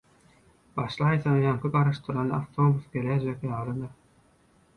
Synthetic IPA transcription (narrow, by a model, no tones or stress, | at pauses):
b̥ɑʃlˠɑjθɑnɯjɑŋkʰɯɡɑɾɑʃt̪ɯɾɑnɯaft̪ʰo̞busɡeɾæd͡ʒekjɑːlˠɯd̪ɯɾ